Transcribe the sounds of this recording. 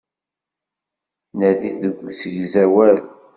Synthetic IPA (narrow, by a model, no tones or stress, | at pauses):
næðiθəɡʷːusəʝzæwæɾ